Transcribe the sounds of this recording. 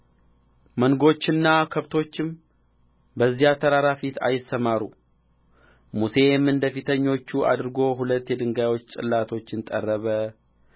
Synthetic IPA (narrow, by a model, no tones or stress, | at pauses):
məŋɡo̞t͡ʃːɪnːakʰəβt̪ʰo̞t͡ʃːɪm | bəzːijat̪ʰəɾaɾafit̪ʰa̰jɪsːəmaɾu | muse̞mɨnd̪əfit̪ʰəɲːo̞t͡ʃːuʔa̰d̪ɾɨɡo̞ɦulət̪ːjɛd̪ɨŋɡajwo̞t͡ʃːt͡ʃʼɨ̰lːat̪ʰo̞t͡ʃːɨnt̪ʼə̰rːəβə